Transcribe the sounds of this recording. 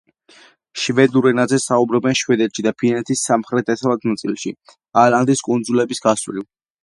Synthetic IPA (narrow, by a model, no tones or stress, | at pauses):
ʃvɛd̪uɾɛnazɛsaubɾɔbɛnʃwɛd̪ɛt̪ʃid̪apʰinɛt̪ʰisːamχɾɛt̪ɛt̪ʰlˠad̪ʰnat̪sʼilˠʃi | aland̪iskʼund̪zulɛbisɡaswɾil